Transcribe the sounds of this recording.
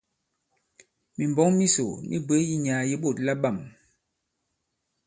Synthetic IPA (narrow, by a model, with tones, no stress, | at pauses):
mi˨mbɔ˦ŋmi˦so˨nʔḭ˦be˨˦ji˦ɲaː˨ji˦ɓo˦˨tla˦ɓa˦˨m